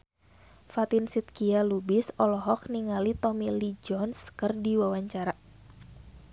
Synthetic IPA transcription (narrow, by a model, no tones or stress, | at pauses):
fat̪insit̪̚kialubɪsɔlɔɦɔk̚niŋalit̪ɔmilid͡ʒɔnskɨrdiwawaɲt͡ʃaɾa